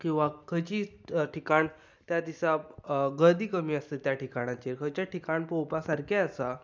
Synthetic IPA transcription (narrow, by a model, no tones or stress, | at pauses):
kĩw̃ʋakʰət͡ɕiːʈikaɳ | t̪jad̪isaɡəd̪iːkəmiːəst̪et̪jaʈikaɽ̃at͡ɕeɾkʰət͡ɕjaʈikaɳ̃pɔwpasaɾkeəsa